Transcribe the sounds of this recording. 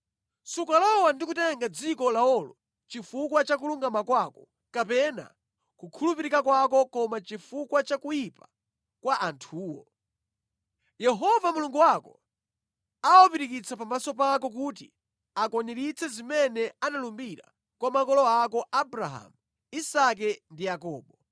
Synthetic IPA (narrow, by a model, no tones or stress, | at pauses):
sukalɔwandikutɛŋɡad͡zikɔlaɔlɔ | t͡ʃifukwat͡ʃak̬uluŋɡamakwakɔ̥ | kapɛna̰ | kukʰulupiɾikakwakɔkɔmat͡ʃifukwat͡ʃakujipa | kwaʔantʰuːwɔ̰ | jɛɦɔvamuluŋɡuwakɔ | awɔpiɾikit͡sʰapamasɔpakɔk̬ut̬i | akɔnɛɾit͡sɛzimɛnɛanalumbiɾa̰ | kwamakɔlɔakɔʔabɾaɦa̰mu | isak̬ɛndijakɔːɓɔ